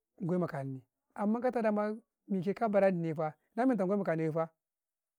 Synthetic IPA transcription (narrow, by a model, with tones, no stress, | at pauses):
ŋ˨ɡʷo˦ma˨ka˨n˨ni˨ | a˨mːa˦ka˦ta˦da˦ma˦ | mi˨k̬e˦ka˦ba˨ɾa˦ni˨ni˨˦fa˦na˦mi˦n˨t̬a˨ɡʷma˨ka˨ni˨i˦fa˦